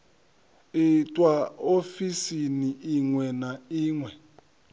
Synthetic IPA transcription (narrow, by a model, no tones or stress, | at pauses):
itʼwaofisiniʔiŋwɛnaiːŋwɛ